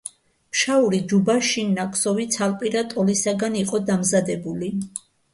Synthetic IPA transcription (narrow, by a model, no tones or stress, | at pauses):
mʃauɾid͡ʒubaʃinːakʰʼsɔvit̪sʰalpʼiɾat̪ʼɔlisaɡaniqʼɔd̪amzad̪ɛbuli